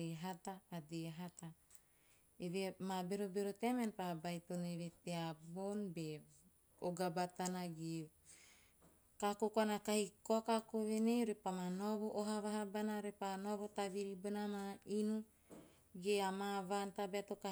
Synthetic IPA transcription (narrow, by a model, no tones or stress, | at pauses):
eɦataːdeɦat̪a | eβemabeɾobeɾotemenpabajtoneveteabonbe | oɡabat̪anaɡe | kakokoanakahikoakakoβenejɾepamanoβoʔoɦaβaɦabanaɾepanoβotaβiɾibonamainu | ɡeamavantabeatoka